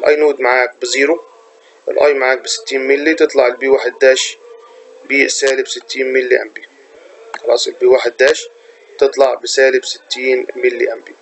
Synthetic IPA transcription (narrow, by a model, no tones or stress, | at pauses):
ɪlʔɑ̰jnuːd̪maʕaːk̚bɪziːɾu | ʔɪ̰lʔɑjːmaʕaːk̚bɪsɪ̥t̪ːiːnmɪlːit̪ɨt̪ˤlɑʕɪlbiːwaħad̪ːaːʃ | biːʔsaːlɪbsɪt̪ːiːnmɪlːiʔa̰mbi | xɑlʔɑ̰sˤɪlbiːwaħad̪ːaːʃ | t̪ɨt̪ˤlɑʕbɪsaːlɪbsɪt̪ːiːnmɪlːiʔambi